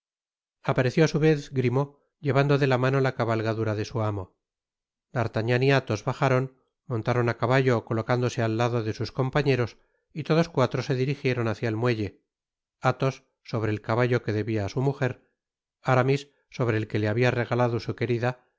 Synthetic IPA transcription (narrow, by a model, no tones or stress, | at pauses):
apaɾe̞θjo̞asuβe̞θɡɾimo̞ | ʎe̞βand̪oðe̞lamano̞lakaβalɣaðuɾaðe̞suamo̞ | d̪aɾt̪aɲaniat̪o̞zβaχaɾo̞n | mo̞nt̪aɾo̞nakaβaʝo̞ko̞lo̞kand̪o̞se̞alːaðo̞ðe̞susko̞mpaɲe̞ɾo̞s | it̪o̞ðo̞skwat̪ɾo̞se̞ðiɾixje̞ɾo̞naθjaelmweʝe̞ | at̪o̞sː | o̞β̞ɾe̞ːlkaβaʎo̞ke̞ðe̞βiaːsumuxe̞ɾ | aɾamisː | o̞β̞ɾe̞ːlke̞leaβiare̞ɣalaðo̞suke̞ɾiða